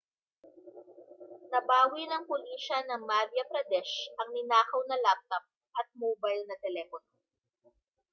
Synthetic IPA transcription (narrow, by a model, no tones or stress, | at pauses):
nɐbaːwinɐŋpʊliːʃɐnɐŋmaɾjɐpɾɐd̪ɛʃʔɐŋnɪnaːkɐwnɐlap̚t̪ɐp̚ | ʔɐt̪̚moːbajlnɐt̪ɛlɛfono